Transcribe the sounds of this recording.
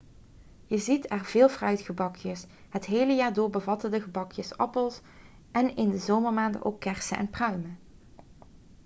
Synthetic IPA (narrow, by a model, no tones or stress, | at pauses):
jəzitʰɛrvɪːlˠvrœɥtχəbɑkʰjəs | ɦətɦejləjaːɹdʊːɹbəvɑtəndəɣəbɑkʰjəsɑ̰pəlˠs | ʔɛnɪndəzowməɹmaːndə̰ʔo̰wkːɛɹsəʔɛ̰nprœɥmə